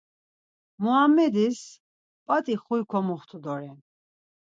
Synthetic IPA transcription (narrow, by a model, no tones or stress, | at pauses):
muamɛd̪is | pʼat̪ʼiχujkʰɔmuχt̪ʰud̪ɔɾɛn